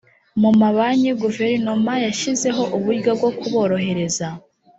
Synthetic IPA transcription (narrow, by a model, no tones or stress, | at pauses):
mumaβaɲiɡuve̞ɾinomajaʃize̞ɦo̞ʔuβuɡobɡo̞kuβo̞ːɾo̞ɦe̞ɾe̞za